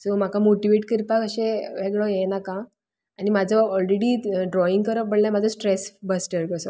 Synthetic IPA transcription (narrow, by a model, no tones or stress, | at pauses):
sɔm̤akamoʈiʋeʈkiɾpakəɕẽʋeɡɭɔjenakãː | nimad͡zʱɔɔlɾeɽiːɖɾɔiŋɡkəɾəbəɽlamad͡zʱɔsʈɾesbəsʈəɾkəsɔ